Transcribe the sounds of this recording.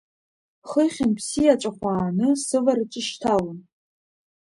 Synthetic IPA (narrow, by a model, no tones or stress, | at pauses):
χəχʲɪnpʰsijaʈ͡ʂʼaχʷaːnɨsɨvarʈ͡ʂʼɪʃtʰawan